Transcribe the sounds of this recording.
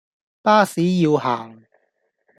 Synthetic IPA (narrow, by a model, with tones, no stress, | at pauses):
paː˥siː˨˥jiː˧whaː˨˩ŋ